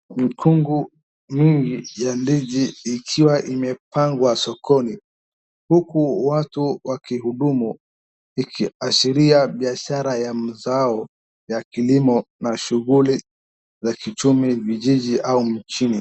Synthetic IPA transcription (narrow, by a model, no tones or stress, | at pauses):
mikʰuŋɡu | miŋɡijandiʄiːkʰiwaʔimɛpaŋɡwasɔkʰɔni | hukuwatuwakihuɗumu | ikʰiaʃiɾiaɓiaʃaɾajam̩zaɔ | jakilimɔnaʃuɣuli | zakit͡ʃumiviʄiʄiʔaum̩t͡ʃini